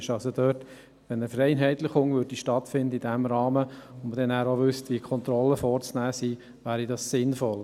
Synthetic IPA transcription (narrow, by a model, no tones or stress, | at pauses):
ʃɑlsod̥øːrt | ʋɛnəfɾɛɪnɦɛɪtləχʊŋʋʏɾd̥iʃtɑtfɪnd̪əidæmɾɑːməʊnəd̥ɛnæːɾoʋʏstʋiəkʰɔnt̪ɾɔlːəfɔɾt͡snæːsiː | ʋæːɾidɑssɪnfɔl